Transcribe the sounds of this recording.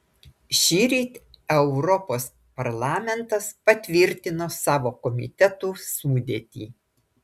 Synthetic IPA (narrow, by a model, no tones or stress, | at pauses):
ʃʲiːɾʲiːt̪ʲ | ɛʊɾɔpoːs | pɐɾlˠɑːmʲɛnt̪ɐspɐt̪ʲʋʲɪɾʲt̪ʲɪnoːsɑːʋoːkɔmʲɪ̰t̪ʲɛt̪uːsuːd̪ʲeːt̪ʲḭː